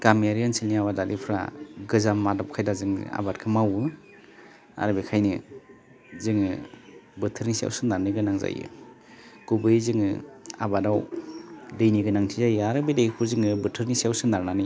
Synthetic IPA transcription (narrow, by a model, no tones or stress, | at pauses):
kameaɾiansilniaβadalipʰɾa̰ɡɯzamːadɔp̚kʰajdazɯŋ̰a̰bat̚kʰɯmawɯ | a̰ɾɯbekʰajnɯ | zɯŋɯbɯtʰɯɾnisia̰wsɯnaɾnɯɡɯnaŋza̰jɯ̰ | kubɯjzɯŋɯ̰a̰badaw | dɯjniɡɯnaŋtʰizajɯaɾɯbedekʰpʰuɾzɯŋɯbɯtʰɯɾnisiawsɯnaɾnanɯ